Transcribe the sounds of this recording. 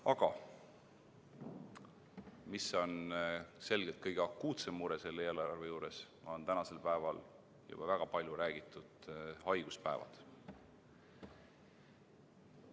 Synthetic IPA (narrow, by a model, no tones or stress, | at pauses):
ɑɡ̥ɑ | miso̞nse̞lɡelt̪kɤjɡ̥eɑkːuːt̪semːuɾese̞lːeːlɑɾɑrvejuːɾe̞smɑont̪ænɑse̞lpæevɑl | jṵb̥ɑvæɡ̥ɑpɑlʲjuɾæːɡ̥it̪ːˑud̪̥hɑjɡ̥uspæevɑ̰d̪̥